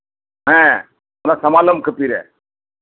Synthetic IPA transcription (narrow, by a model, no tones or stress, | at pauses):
ɦɛ̃ | ɾasɐmaːləmkʰəpiɾɛ̰ː